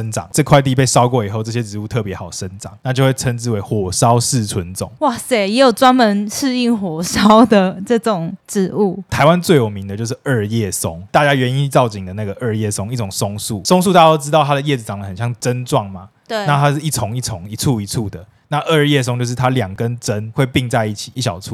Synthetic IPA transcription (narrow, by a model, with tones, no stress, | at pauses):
ə˥nʈ͡ʂɑ̰˨˩ŋʈ͡ʂɤ˥˧kʰwa˥˧ɪt̪i˥˨pe˥˩ɪsɑ˦ʊkwɔ˥˩i˨˩xo˥˧ʊʈ͡ʂɤ˥˩ɕjɛ˦ʈ͡ʂɻ̩˧˥u˥˧t̪ʰɤ˥˩pjɛ˧˦xɑ˨˩ʊʂə˦nʈ͡ʂɑ̰˨˩˦ŋna˥˧t͡ɕjo˥˧ʊwe˥˩ɪt͡sʰə˦˥nt͡sɻ̩˥˩we˧˥ɪxwɔ˨˩sɑ˦ʊsɹ̩˥˧t͡sʰwə˧˦nt͡sʊ̰˨˩˦ŋwa˥˩se˥˩jɛ˧˥jo˨˩t͡swa˥nmə˧˦nʂʰɻ̩˥˧i˥˩ŋxwɔ˨˩sɑ˦˥ʊd̪ə˨ʈ͡ʂɤ˥˩ʈ͡ʂʊ˨˩ŋʈ͡ʂɻ̩˧˥u˥˩t̪ʰa˧˦ɪwa˦nt͡swe˥˩ɪjo˨˩mi˨˦ŋd̪ə˧t͡ɕjo˧ʂɻ̩˥˧˩ə˥˧jɛ˥˩sʊ˦˥ŋt̪a˥˨˧t͡ɕja˦˥ɥɛ˧˦ni˥˧t͡sɑ˥˩ʊt͡ɕi˨˩ŋd̪ə˩na˥˩ɡə˩ʔə˥˧jɛ˥˩sʊ˥ŋi˥˩ʈ͡ʂʊ˨˩ŋsʊ˥ŋsu˥˩sʊ˥ŋs̬u˥˧t̪a˥˩ja˥o˥ʊʈ͡ʂɻ̩˥t̪ɑ˥˩ʊt̪ʰa˥d̪ə˨jɛ˥˩d͡z̩˩t͡sɑ˨ŋlə˩xə˨˩nɕjɑ˥˩ŋʈ͡ʂə˦nʈ͡ʂwɑ˥˨˩ŋma˩ | t̪we˧˥˧na˥˩t̪ʰa˦˥ʂɻ̩˥˧i˥˩t͡sʰʊ˧˦ŋi˥˩t͡sʰʊ˧˦ŋi˨˩t͡sʰu˥˩i˨˥t͡sʰu˥˩d̪ə˩ | na˥˧ʔə˥˧jɛ˥˩s̬ŋt͡ɕjo˧ʂɻ̩˥˩t̪ʰa˥ljɑ˨˩ŋkə˦nʈ͡ʂə˦nxwe˥˧ɪpi˥˧ŋt͡sa˥˧ɪi˥˩t͡ɕʰi̥˨˩ʔi˥˩ɕjɑ̰˨˩ʊt͡sʰu˥˩